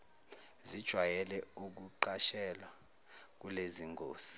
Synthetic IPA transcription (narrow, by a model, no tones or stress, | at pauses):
zid̥ʒ̥ʱwajɛlɛuk̬uǃaʃɛlwa | k̬uleziŋɡoːsi̥